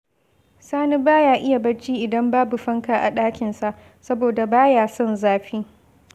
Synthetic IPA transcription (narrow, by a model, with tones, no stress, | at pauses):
saː˦ni˦baː˦jaː˨ʔɪ˦ja˨bɐ˦t͡ʃiː˦ʔɪ˨dɐ˦mbaː˦bu˨ɸɐ˦ŋka˨ʔa˨ɗaː˦kʲɪ˨nsa˨ʔ | sɐ˦boː˨da˨baː˦jaː˨sɔ˦nzaː˦ɸiː˦